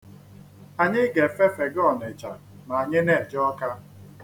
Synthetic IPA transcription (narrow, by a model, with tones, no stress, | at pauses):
a˨ɲɪ˦ɡe˨fe˦fe˨ɡɔ˦˨ne˨t͡ʃa˨ | na˨a˨ɲɪ˦ne˦˨d͡ʒɔ˦ka˦